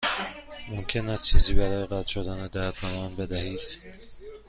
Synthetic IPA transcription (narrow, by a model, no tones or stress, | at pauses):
momcʰe̞næst͡ʃʰiːziːbæɾɒːjeɣæt̪ʃod̪æned̪æɾd̪̚bemæːnbe̞d̪æhiːd̪̥